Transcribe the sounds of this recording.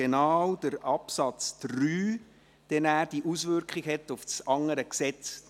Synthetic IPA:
enawd̥əɾɑpsɑt͡sd̥ryː | d̥ɛnæːɾd̥iʔusʋʏɾkχiɡhɛtʊfsɑŋəɾəksɛt͡s

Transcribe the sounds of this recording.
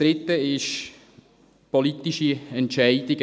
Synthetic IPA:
ɾɪtːəɪʃ | politiʃiɛntʃaɪdɪɡ

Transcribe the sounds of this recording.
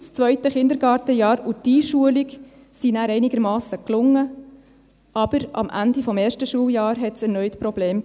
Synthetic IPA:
st͡svœʏtəχɪnd̪əɾɡɑːɾtəjɑːɾud̥iʃuəlik | sinæːɾɛɪniɡəɾmɑːsəklʊŋːə | ʔɑb̥əɾɑ̰mʔæ̰ndifɔmeːɾʃtəʃuːljɑːɾɦɛtsɛɾnœʏtpɾɔb̥leːm

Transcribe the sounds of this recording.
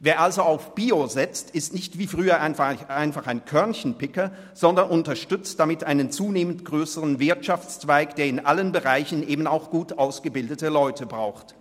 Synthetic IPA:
veːɐʔalzoaʊfb̥iːozɛt͡stɪstnɪçtv̥iːfʁ̥yːɐʔaɪnfaɪnfaχaɪnkʰœɐnçn̩pɪkɐ | z̥ɔndɐnʔʊntɐʃtʏt͡std̥amɪtʔaɪnənt͡suːneːmən̩tɡ̥ʁøːsəʁənvɪɐtʃaft͡st͡sv̥aɪkd̥eːɐɪnʔalənbəʁaɪçn̩ʔeːbn̩aʊxɡ̥uːtʔaʊsɡ̥əbɪldətəlɔʏtʰəbʁaʊxt

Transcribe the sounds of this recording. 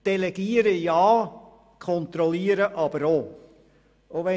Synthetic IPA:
d̥ɛlɛɡ̥iːəɾəjɑː | kʰɔnt̪ɾɔliːəɾəʔɑbəɾoː | ʔoʋɛ

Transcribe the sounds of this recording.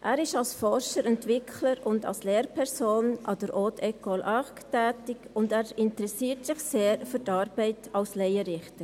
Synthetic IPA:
ʔæːɾɪʃɑlsfɔɾʃəɾɛntʋɪkʰləɾʊndɑ̰lsleːɾpʰɛɾsoːnʔɑ̰dəɾʔoːtʰɛkolʔɑktɛːtɪkʊndæːɾɪntəɾɛsiːəɾtsɪχseːɾfytɑːɾb̥ɛɪtɑlslɛɪəɾɪχtə

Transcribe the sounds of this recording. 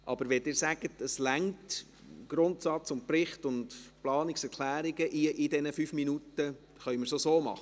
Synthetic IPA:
ʔɑ̰b̥əɾʋɛdɪːɾsæɡ̥ətəslæŋt | ɡ̥ɾʊntsɑt͡sʊnt̚prɪχtʊndplɑːnɪksɛɾkʰlæːɾiɡəʔiʔɪdɛnəfyfminutə | χœʏɥməɾsosoːmɑ̰χə

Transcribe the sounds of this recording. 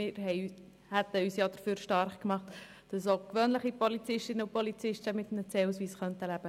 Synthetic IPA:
ɪːɾɦɛɪ | hæt̪əyːsjɑd̥əɾføːɾʃtɑɾχkmɑχt̪ | d̥ɑsoːkʋøːnləχipɔlit͡sɪʃtɪnəupɔlit͡sɪʃtəmɪt̪nət͡sɛːus̬ʋiːsχœnt̪əlæb̥ə

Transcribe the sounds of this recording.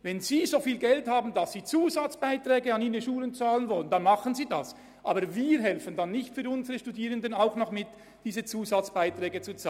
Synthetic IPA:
vɛnziːzoːfiːlɡɛlthaːbn̩d̥asːiːt͡suːzat͡sb̥aɪtʁ̥ɛːɡəɑniːʁəʃuːlənt͡saːlənvɔlənd̥anmɑχənziːdas | ʔa̰ːbəɾviːɾɦɛlfəndanːɪçtfyːʊnzəʁəʃtudiːʁəndənaʊxnɔχmɪt | d̥iːzət͡suːzat͡sb̥aɪtʁɛːɡət͡sut͡sa

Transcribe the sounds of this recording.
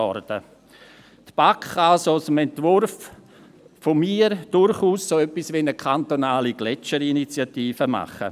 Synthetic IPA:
ɔɾd̥ə | t̪b̥akːaalsosəmɛntvʊɾf | fomiːɾd̥ʊɾχuːssoœpːisʋinəkʰant̪onaːliɡ̥lɛt͡ʃəɾinit͡sjatiːfəma̰χə̰

